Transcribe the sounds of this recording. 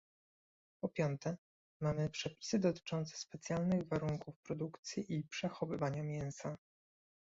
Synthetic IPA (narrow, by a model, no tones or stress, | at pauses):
pɔpʲjɔnt̪ɛ | mamɘpʂɛpʲi̥sɘd̪ɔt̪ɘ̥t͡ʂɔnt̪sɛ̥spɛt̪sʲjalnɘɣvaɾuŋkufpɾɔd̪ukt̪sʲjiʔipʂɛxɔvɘvaɲamʲjɛñsa